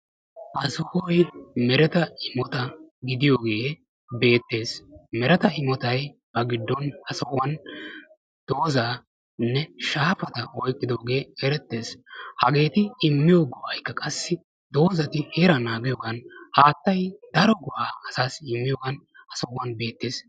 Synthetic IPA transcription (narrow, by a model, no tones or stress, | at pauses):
hɐsɔhɔjmɛɾɛt̪ɐɪmɔt̪ɐɡɪd̪ɪjoːɡe̞ː | be̞ːt̪ːe̞ːsmɛɾɛt̪ɐɪmɔt̪ɐjb̥ɐɡɪd̪ːɔnhɐsɐhʊwɐn | d̪̥o̞ːzaː | nːɛʃaːfɐt̪ɐɔjkʼːɪd̪oːɡe̞ːɛɾɛt̪ːe̞ːshɐɡe̞ːt̪ɪɪmːɪjoːɡɔʔɐjkːɐkʼɐsːɪ | d̪o̞ːzɐt̪ɪheːɾɐnaːɡɪjoːɡɐnhaːt̪ːɐjd̪̥ɐɾɔɡʊʔaːɐsaːsɪmːɪjoːɡɐnhɐsɐʔʊwɐnbe̞ːt̪ːeːs